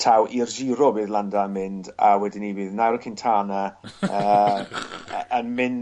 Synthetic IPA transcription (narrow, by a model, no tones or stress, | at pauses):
tʰawʔird͡ʒiːɾɔbɪːðlˠandaəmɪndawɛdɪnibiːðnaɾkʰɪntʰaːnəəː | ənmɪn